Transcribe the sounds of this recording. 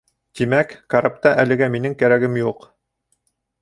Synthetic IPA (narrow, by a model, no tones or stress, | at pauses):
t̪imækːaɾap̚t̪ɑʔælɘ̆ɡæminɘŋkæɾæɡɘmjuq